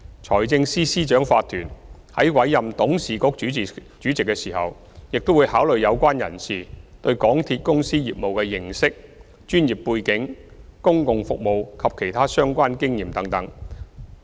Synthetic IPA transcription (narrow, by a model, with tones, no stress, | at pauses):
t͡ʃʰɔː˨˩jt͡sɪ˧ŋsiː˥siː˥t͡ʃœː˨˥ŋfaː˧t̪ʰyː˨˩nhɐ˨˥jwɐ˨˥jjɐ˨mt̪ʊ˨˥ŋsiː˨˩kʊ˥k̚yː˨˥˨ | t͡ʃyː˨˥t͡sɪ˨kːɛ˧siː˨˩hɐ̰˨w | jɪ˨k̚t̪o˥wu˨˧jhaː˨˥wlɵ˨ɥjɐ˨˧wkʷaː˥njɐ̰˨˩nsiː˨t̪ɵ˧ɥkɔː˨˥ŋt̪ʰiː˧t̚kʊ˥ŋsiː˥jiː˨p̚mo˨wkɛː˧jɪ˨ŋsɪ˥k̚ | t͡ʃyː˥njiː˨˩pːuː˧jkɪ˨˧˥ŋkʊ˥ŋkʊ˨ŋfʊ˨k̚mo˨wkʰɐ˨p̚kʰe˨˩jt̪ʰaː˥sœː˥ŋkʷaː˥nkɪ˥ŋjiː˨˩mt̪ɐ˨˥ŋt̪ɐ˨˥ŋ